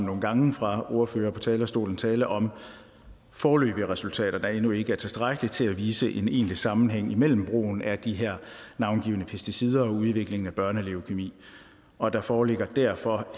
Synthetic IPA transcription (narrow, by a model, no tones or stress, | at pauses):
mno̝ːn̩ɡ̥ɑ̈ŋəfʁɑ̈o̝ɐfø̰ːɐpʰɒ̽t͡sʰɛːlɐsd̥o̝̰ːln̩t͡sʰɛːləʔɒ̽m | fɒːlø̰ːb̥iəʁɛsult͡sʰɛ̰ːɾ̥ɐd̥ɑ̈e̝nue̝ɡ̥əæɐt͡sʰe̝lsd̥ʁaɡ̥əlit͡sʰe̝læʋiːsəʔe̝ne̝̰ːnlisɑ̈mn̩ɦeŋ̰imel̰m̩b̥ʁo̝̰ːn̩æd̥iɦæɐ̰nɑ̈ʊnɡ̥ḭːʊnəpʰesd̥isiːð̞ˠɐɒ̽uð̞ˠʋe̝ɡ̥le̝ŋn̩æb̥ɶɐnəleo̝kʰe̝mḭː | ɒ̽d̥ɑ̈fɒːle̝ɡ̥ɐd̥æɐ̰fɒ̽